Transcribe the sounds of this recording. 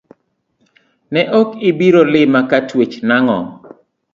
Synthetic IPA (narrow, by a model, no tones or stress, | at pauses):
nɛʔokɪbiɾolɪmakatwet͡ʃnaŋɔ̰